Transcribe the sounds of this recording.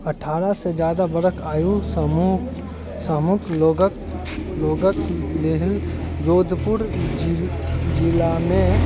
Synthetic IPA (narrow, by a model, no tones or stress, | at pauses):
ɐʈʰaːɾased͡ʒjaːd̪abəɾəkʰaːju | səmʊkʰloɡ | loːɡəkleɦɪld͡ʒoːd̪ʱpʊɾ | d͡ʒɪlamẽ